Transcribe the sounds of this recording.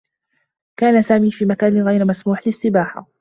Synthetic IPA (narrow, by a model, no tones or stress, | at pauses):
kaːnasaːmiːfiːmakaːnɪɣajɾmasmuːħlɪsːɪbaːħa̰